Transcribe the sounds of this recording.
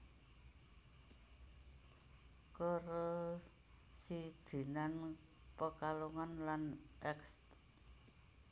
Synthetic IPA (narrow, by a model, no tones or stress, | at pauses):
kəro | sid̪̥i̤nan | pəkaluŋanlanʔɛkst̪